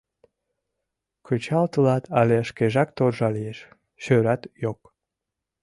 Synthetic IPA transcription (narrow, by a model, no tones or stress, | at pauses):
kʰøt͡ɕɑlt̪əlɑt̪ʰɑleəʃkeʒɑk̚t̪orʒɑlijeʃ | ɕøɾɑt̪jok̚